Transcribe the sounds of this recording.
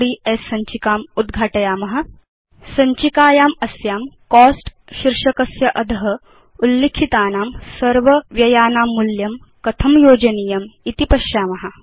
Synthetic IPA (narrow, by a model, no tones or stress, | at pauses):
ɽiːesːɐɲt͡ʃikaːmud̪ɡʱaːʈɐjaːmɐɦɐ̆ | sɐɲt͡ʃikaːjaːmɐsjaːmkɔːsʈ | ʃiɾʂɐkɐsjɐʔɐd̪ʱɐɦɐ̆ | ulːekʰit̪aːnaːmsɐɾʋɐʋjɐjaːnaːmːuljɐm | kɐt̪ʰɐmjoːd͡ʒɐnijɐmit̪ipɐʃjaːmɐɦɐ̆